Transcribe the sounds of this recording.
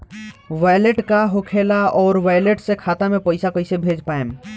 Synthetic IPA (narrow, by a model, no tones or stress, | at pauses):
ʋaːjleʈkaɦokʰeːlaɔːɾʋaːjleʈsekʰaːt̪amẽpəɪsakoɪsebʱeːd͡ʒpaːem